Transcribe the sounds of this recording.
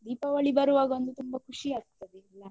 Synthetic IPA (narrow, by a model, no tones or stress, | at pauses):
d̪ipaʋəɭibəɾʋaɡond̪ut̪umbəkʰuɕiːast̪əd̪ilːa